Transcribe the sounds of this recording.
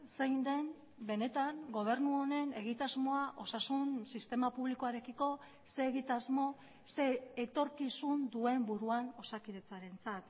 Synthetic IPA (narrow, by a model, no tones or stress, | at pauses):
sejnd̪e̞m | be̞ne̞t̪aŋɡo̞β̞e̞ɾnuo̞ne̞ne̞ɣ̞it̪azmo̞aʔo̞sasunsist̪e̞mapuβliko̞aɾe̞kiko̞ | se̞ːɣit̪azmo̞ | se̞ːt̪o̞ɾkisund̪ue̞mbuɾuano̞sakiðe̞t͡saɾe̞nt͡sat̪